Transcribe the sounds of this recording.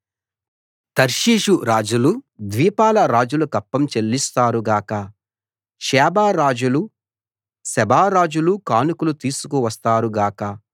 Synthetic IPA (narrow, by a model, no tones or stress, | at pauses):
t̪ɐɾʃiːʂuɾaːd͡ʒulud̪ʋiːpaːlɐɾaːd͡ʒulukɐpːɐmt͡ʃelːist̪aːɾuɡaːkɐ | ʃɛːbaːɾaːd͡ʒulu | sɛbʱaːɾaːd͡ʒulukaːnukulut̪iːsu̥kuʋɐst̪aːɾuɡaːkɐ